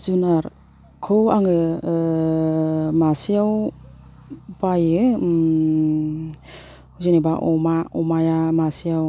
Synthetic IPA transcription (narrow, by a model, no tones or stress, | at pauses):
zunaɾ | kʰɯaŋɯ | masijaw | bajɯ | uzɯnibaʔɔmaɔmajamasijaw